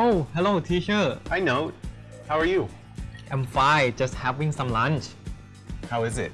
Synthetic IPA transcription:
ʔohɛloʊtʰit͡ʃəʔaɪnoʊt̚ | haʊə˞ju | ʔãmfajd͡ʒʌst̚hɛvɪ̃ŋsãmlãnt͡ʃ | haʊɪzɪt̚

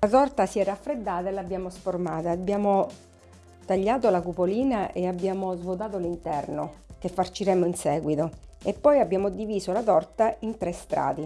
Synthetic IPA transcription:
lat̪ɔrt̪asiɛːɾaːfːɾed̪ːaːt̪aelabːjaːmosformaːt̪aːbːjaːmo | t̪aʎːaːt̪olakupoliːnaʔeabːjaːmozvot̪̬aːt̪olint̪ɛrnok̟efːart͡ʃiɾɛmoinsɛːɡwit̪oepːɔjabːjaːmod̪iviːsolat̪ɔrt̪aint̪ɾest̪ɾa̰ːd̪e

